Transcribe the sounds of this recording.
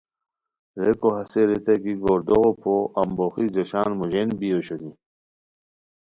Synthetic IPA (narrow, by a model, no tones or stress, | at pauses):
ɾekoɦɐseɾet̪ɐkiɡoːɾd̪oɣopʰoʔɐmboxid͡ʑɐɕaːnmuʑenbioɕoni